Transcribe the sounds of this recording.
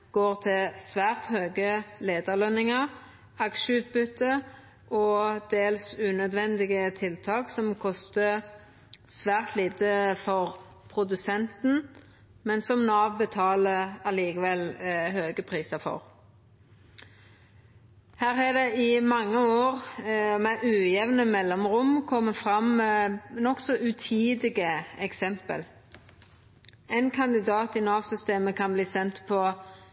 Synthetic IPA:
ɡ̥oːʁt̪ʰɪlsʋæːʁt̪høːɡəleːd̪əʁlœnɪŋəʁ | ɑkʃəʉːt̪̚bʏt̪ːə | ʔɔd̪̥eːlsʉːnœd̪ʋɛnd̪ɪɡət̪ʰɪlt̪ʰɑːksɔmkʰɔst̪ə | sʋæːʁt̪liːt̪əfɔʁ | pʰʁʊd̪ʉsɛnt̪n̩ | mɛnsɔmnɑːʋbət̪ʰɑːləɑliːkəʋɛlhøːɡəpʰʁiːsəfɔ̰ʁ | hæːʁæd̪ɛɪmɑŋːəoːʁmæʔʉːjɛʋnəmɛlːɔmʁʊmkʰɔmːəfʁɑm | nɔksɔʔʉt̪ʰiːd̪ɪɡəɛksɛmpə̰l | ɛɪnkʰɑnd̪ɪd̪ɑːt̪ɪnɑːʋsʏst̪eːməkʰɑnbliːsɛnt̪pʰɔ

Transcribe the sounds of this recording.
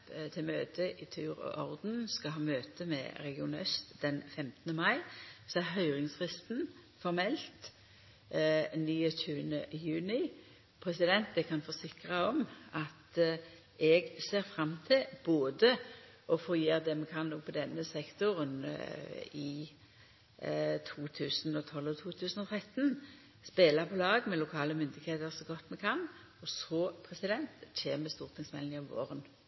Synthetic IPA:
t̪ʰɪlmøːt̪ʰəʔɪt̪ʰʉːɾɔ̰ʔɔʁd̪n̩skɑɦɑːmøːt̪əmɛ̰ɾɛɡɪʊnœ̰st̪d̪ɛnfɛmt̪ənəmɑɪsɔæʁɦœʏʁɪŋsfʁɪst̪n̩ | fɔɾmɛlt̪ | nyːətʉːənəjʉːnɪ | pʰɾɛsɪd̪ɛnt̪̚d̪ɛkʰɑnfɔsɪkʁɑɔmɑt̪ | ɛɡseːɾfʁɑmːt̪ʰɪlb̥oːd̪əɔfoːjeːʁd̪ɛmɛkʰɑnːɔɡ̚pʰɔd̪ɛnːəsɛkt̪ʊʁən | ɪ | t̪ʰuːt̪ʰʉːsnɔt̪ʰɔlɔt̪ʰuːt̪ʰʉːsn̩ɔt̪ʰʁɛt̪ːn | speːlɑʁpʰɔlɑːɡmɛlʊkʰɑːləmʏnd̪ɪɡheːt̪əʁsɔɡɔt̪ːmɛkʰɑn | ɔsɔpʰʁɛsɪd̪ɛnt̪çeːməst̪uːʁt̪ʰɪŋsmɛlnɑʋʋo̰ːʁən

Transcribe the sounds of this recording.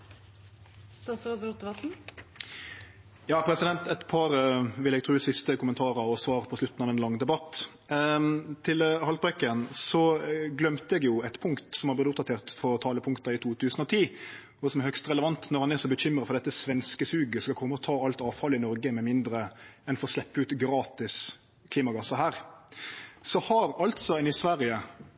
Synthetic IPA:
st̪ɑsɾɛd̪ɾut̪ːəʋɑt̪n̩ | jɑːpʰɾɛsɪd̪ɛnt̪ɛt̪pʰɑːɾʋɪlɛɡ̚t̪ʰɾʉːsɪst̪əkʰʊmənt̪ʰɑːɾɑɔsʋɑːɾpʰɔslʉt̪ːn̩ɑːʋɛnlɑŋːd̪ɛbɑt̪ː | t̪ʰɪlhɑlt̪bʁœkənsɔɡlœmt̪əɛɡjʊɛt̪pʰʊŋkt̪sɔmhɑblɪd̪ʊp̚d̪ɑt̪ʰeːʁt̪fɔɾt̪ʰɑːləpʰʊŋkt̪ɑɪt̪ʰuːt̪ʰʉːsnɔt̪ʰiː | ɔsɔmɛɾhœkst̪ʁɛləʋɑnt̪nɔʁhɑnɛsɔbəçʏmɾəfɔʁd̪ɛt̪ːəsʋɛnskəsʉːɡəskɑlkʰɔmːəɔt̪ʰɑːɑlt̪ɑːʋfɑləɪnɔɾɡəmɛmɪnd̪ɾəɛnfɔɾɔslɛpːəʉːt̪ɡɾɑːt̪ɪs | kʰliːmɑɡɑsːɑɦæːɾ | sɔhɑɾɑlt̪sɔɛnɪsʋæɾɪə

